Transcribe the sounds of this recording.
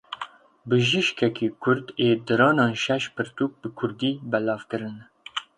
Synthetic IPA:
bɨʒiʃkʰɛkiːkʰʊɾd̪eːd̪ɨɾɑːnɑːnʃɛʃpʰɨɾt̪uːk̚bɨkʰʊɾd̪iːbɛlɑːvkɨɾɨn

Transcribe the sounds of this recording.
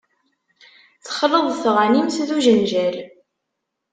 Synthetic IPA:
θə̥χələðˤθʁanimθðuʒənʒæl

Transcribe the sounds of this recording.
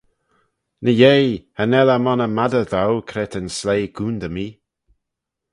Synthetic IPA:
nəjejhənɛlamɔnəmadəðawkʰɾɛtənslejɡuːnd̪əmiː

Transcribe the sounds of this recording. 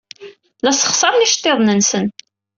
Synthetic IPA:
læsə̥χsɑɾˤniʃt̪ːeðˤnənsən

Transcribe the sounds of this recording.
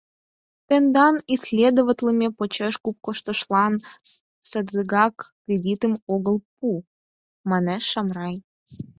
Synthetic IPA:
t̪end̪ɑnisʲlʲed̪ovət̪ʲləmʲepot͡ɕeʃkup̚koʃt̪ə̆ʃlɑn | səd̪əɣɑkːrʲedʲit̪əmoɣəlp̚u | mɑneʃːɑmrɑj

